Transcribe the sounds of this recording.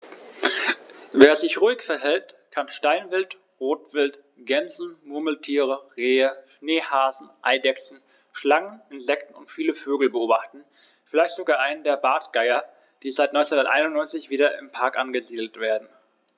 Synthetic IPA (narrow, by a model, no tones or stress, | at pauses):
veːɐzɪçʁuːɪçfɛɐɦɛlt | kʰanʃtaɪnvɪlt | ʁoːtv̥ɪlt | ɡ̥ɛnzn̩mʊɐml̩tʰiːʁəʁeːəʃneːhaːzn̩ʔa̰ɪdɛksn̩ | ʃlaŋənɪnzɛk̚tn̩ʊ̰ntfiːləføːɡl̩bəʔoːbaχtn̩ | fɪlaɪçtz̥oɡaːʔaɪnəndeːɐbaːtɡ̥aɪɐ | d̥iːzaɪtnɔʏt͡ssenhʊndɐtʔaɪnʊntnɔʏnt͡sɪçv̥iːɾɐɪmpʰaɐkʔanɡəziːdl̩tv̥eːɐdn̩